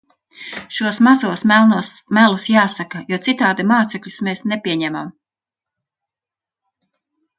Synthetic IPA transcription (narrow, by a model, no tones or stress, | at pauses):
ʃuɔsmazuɔsmnmælusjaːsakɐjuɔt̪sit̪aːd̪imaːt̪sɛkʎʲu̥smeːsnepʲiɛɲɛma̰m